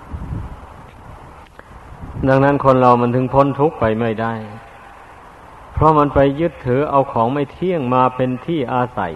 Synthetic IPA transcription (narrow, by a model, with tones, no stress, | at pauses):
da˧ŋna˦˥˨nkʰo˧˨nɾa˧wma˧˥˨nt̪ʰɯ˧ŋpʰo˧˥˨nt̪ʰu˦˥k̚pa˨jma˥˩jda˥˩j | pʰɾɔ˧˥ma˧˥npa˧jːɯ˦˥t̪ʰːɤː˩˦ʔa˧wkʰɔː˩˦ŋma˥˩jt̪ʰi˥˩əŋmaː˧pe˧nt̪ʰiː˥˩ʔaː˧sa̰˨˩˦j